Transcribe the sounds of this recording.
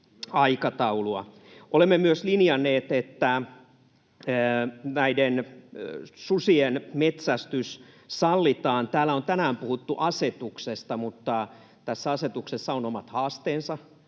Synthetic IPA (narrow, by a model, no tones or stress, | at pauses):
ɑikɑt̪ɑuluɑ | ʔolemːemyøslinjɑnːˑeːt̪et̪ːæ | næiden | susienmet̪sæst̪ys | sɑlːit̪ɑːnt̪æːlːæont̪ænæːmpuhut̪ːuʔɑset̪uksest̪ɑmut̪ːɑ | t̪æsːæɑset̪uksesːɑonomɑt̪hɑːst̪eːnsɑ